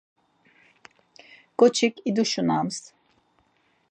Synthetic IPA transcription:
kʼɔt͡ʃʰikʰʼid̪uʃunams

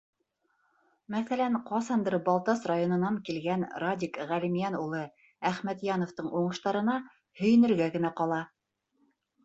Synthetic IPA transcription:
mæθælæɴqɑsɑnd̪ɤɾbɑlˠt̪ɑsrajonɤ̆nɑŋkilɡænradʲikʁælimjænulˠɤ | æχmæt̪jɑnŏft̪ɤɴʔuɴɤ̆ʃt̪ɑɾɤ̆nɑ | hɵ̆jɵ̆nɘ̆ɾɡæɡɘ̆næqɑlˠɑ

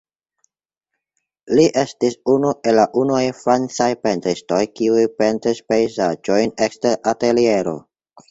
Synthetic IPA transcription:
liʔe̞stisunuʔe̞lːaʔunuajfɾant͡sajpe̞ntɾisto̞jkiujpe̞ntɾispe̞jzad͡ʒo̞jne̞ksteɾate̞lie̞ɾo̞̰

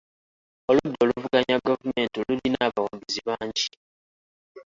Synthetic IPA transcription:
oludːo̞ːluvuɡaɲaɡavume̞ːntilulinaːβawaɡuziβaːɲɟi

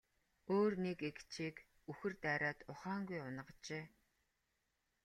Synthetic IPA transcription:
oːrnekekt͡ɕʰiːk | uxɘ̆rt̪æːɾaːt̪ʊχaːŋɡujʊnə̆ʁt͡ɕeː

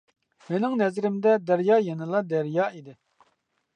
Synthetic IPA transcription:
menɪŋnɛzɾɪmd̪ɛd̪æɾjɑːjɛnɨlˠɑd̪æɾjɑːid̪ɪ

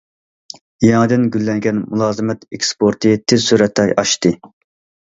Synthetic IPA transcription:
jɑŋɨd̪ɨnɡʲylːɛŋɡʲɛnmulˠɑːzɨmɛt̪ekspoɾt̪ʰɨt̪ʰɪzsyɾɛt̪ʰːɑjʔɑʃt̪ɨ

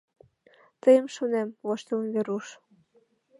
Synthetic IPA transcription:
t̪əjəmʃonemβoʃt̪eunβeɾuʃ

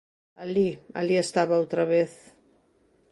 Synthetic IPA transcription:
alia̰liest̪aβaawt̪ɾaβeθ

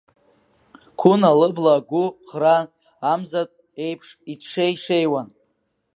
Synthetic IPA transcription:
kʷʰʊnalɨblaɡʷʊχɾaː | mzatʼ | e̞jpʰʂitʰʂejʂe̞jwan

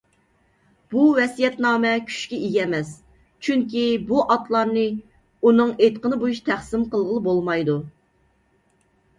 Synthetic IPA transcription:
b̥uvɛsijɛt̪nɑːmɛkʲʰy̥ʃkʲɛijɛmɛs | t͡ʃʰyŋkʲibuʔɑt̪lˠɑɾnɨ | unɨŋet̪qənɨbojuʃt̪ʰæχsɪmqəlˠʁəlˠɨbolˠmɑjd̪u

